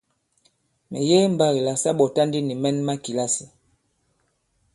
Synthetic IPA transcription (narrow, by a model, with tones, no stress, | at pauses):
mɛ̰˨je˦m̩˨ba˦ɣi˨la˨sa˦ɓɔ˨ta˦ndi˦ni˨mɛ˦nma˦ki˨la˦si˨